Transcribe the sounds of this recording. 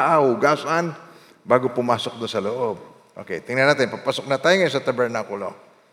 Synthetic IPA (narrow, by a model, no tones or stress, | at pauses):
ʔawʊɡasʔan | baːɡopʊmaːsok̚d̪ʊnsɐloʔob̚ | ʔo̰kejt̪ɪŋnɐnaːt̪ɪnpapasok̚nat̪aːjoŋɐjosɐt̪ɐbɛɹnakʊlo̰